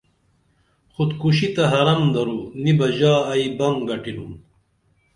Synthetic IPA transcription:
xud̪kuɕit̪ɐɦɐɾɐmd̪ɐɾunibɐʑaːibɐŋɡɐʈinum

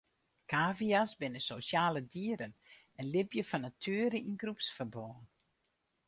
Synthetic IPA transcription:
kʰaːviasbɪnəsosjaːlədiəɾən | ɛnlɪbjəfɔnatʰyːɾəinɡrupsfərbɔːn

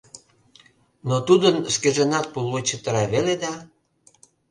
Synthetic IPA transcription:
not̪ud̪ənskeʒenɑt̪̚puluet͡ɕət̪əɾɑβeled̪ɑ

